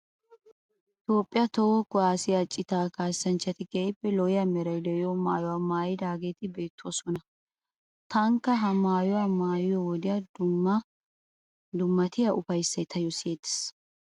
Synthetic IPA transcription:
ʔɪt̪o̞ːpʼːɪjɐt̪ɔwɔkʊaːsɪjat͡ʃʼːɪt̪aːkaːsɐnt͡ʃːɐt̪ɪɡɛɪbːɛlɔjɐmɛɾɐjd̪ɛjɔmaːjɔwaːmaːjɪd̪aːɡeːt̪ɪbe̞ːt̪ːʊwɔsɔnɐ | t̪ʰɐŋkːɐɦɐmaːjɔwamaːjʊjɔwɔd̪ɪjɐd̪ʊmːɐ | d̪ʊmːɐt̪ɪjɐʔʊfɐjsːɐjt̪ʰɐjɔsɪet̪ːɪ̥s

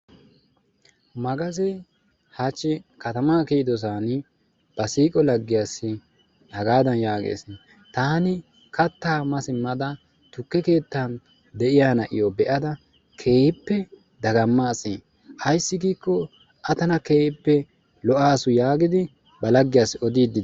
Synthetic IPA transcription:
mɐɡɐzɛ | hat͡ʃːɪkɐt̪ɐmaːkɛɪd̪ɔs̬aːnɪ | b̥ɐsiːkʼɔlɐɡːɪjaːsːɪ | hɐɡaːd̪ɐnjaːɡḛːs | t̪aːnɪ | kɐt̪ːaːmɐsɪmːɐd̪ɐ | t̪ʊkːɛke̞ːt̪ːan | d̪ɛʔɪjaːnɐʔɪ̰jɔbɛʔɐd̪ɐ | kʰe̞ːjɪpːɛ | d̪ɐɡɐmːaːsi | ʔɐjsːɪɡiːkːɔ | ʔɐt̪ɐnɐkeːjɪpːɛ | lɔʔaːsʊjaːɡɪd̪ɪ | bɐlɐɡːɪjaːsːɪɔd̪iːd̪ːɪd̪

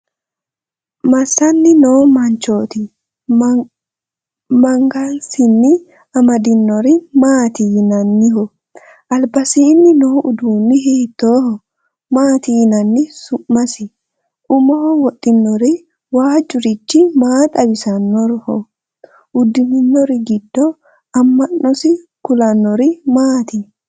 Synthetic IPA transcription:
mɐsːɐnːɪnoːmɐnt͡ʃoːt̪ɪ | mɐŋɡansɪnːɪ | ɐmɐd̪ɪnːɔɾɪmaːt̪iːnɐnːɪɦɔ | ʔɐlbɐsiːnːɪnoːʔʊd̪uːnːɪɦeːt̪ːoːhɔ | maːt̪iːnɐnːɪsʊmːɐsɪ | ʔʊmɔhɔwɔt̪ʼːɪnːɔɾɪ | waːd͡ʒʼʊɾɪt͡ʃːɪmaːt̪ʼɐbɪsɐnːɔɾhɔ | ʔʊd̪ːɪnɪnːɔɾɪɡɪd̪ːɔ | ɐmːɐnːɔsɪkʊlɐnːɔɾɪmaːt̪ɪ

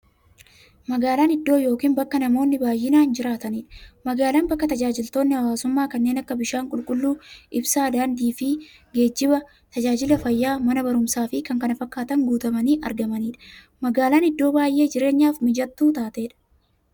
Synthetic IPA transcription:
mɐɡaːlaːnɪd̪ːo̞ːjo̞ːkiːnbɐkːɐnɐmo̞ːnːɪbaːjːɪnaːnd͡ʒɪɾaːt̪ɐniːᶑɐ̥mɐɡaːlaːnbɐkːɐt̪ɐd͡ʒaːd͡ʒɪlt̪o̞ːnːɪhɐwaːsʊmːaːkɐnːeːnɐkːɐbɪʃaːŋkʼʊlkʼʊlːuːʔɪbsaːd̪aːnd̪iːfɪɡe̞ːd͡ʒːɪbɐ | t̪ɐd͡ʒaːd͡ʒɪlɐfɐjːaːmɐnɐbɐɾʊmsaːfɪkɐŋkɐnɐfɐkːaːt̪ɐŋɡuːt̪ɐmɐniːʔɐ̰ɾɡɐmɐniːᶑɐ̥ | mɐɡaːlaːnɪd̪ːo̞ːbaːjʔe̞ːd͡ʒɪɾe̞ːɲːaːfmɪd͡ʒɐt̪ːuːt̪aːt̪e̞ːᶑɐ̥

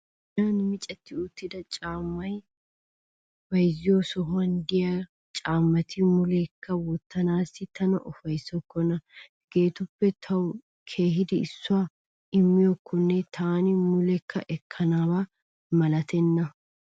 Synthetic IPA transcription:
naːnmɪt͡ʃʼɐt̪ːɪʊt̪ːɪd̪ɐt͡ʃʼaːmːɐj | fɐjzɪjoːsɔɦʊɐnd̪ɪja | t͡ʃʼaːmːɐt̪ɪmʊlɛkʰːɐwɔt̪ːɐnaːsɪt̪ɐnɐ̰ʔɔfɐjsːɔkːɔnɐ | ɡ̥e̞ːt̪ʊpːɛt̪ʰɐw | kʰe̞ːɦɪd̪ɪɪsːʊwaː | ɪmːɪjɔkʰːɔnːɛt̪ʰaːnɪmʊlɛkʰːɐ̰ʔɛkʰːɐnaːbaː | mɐlɐt̪ʰɛnːɐ

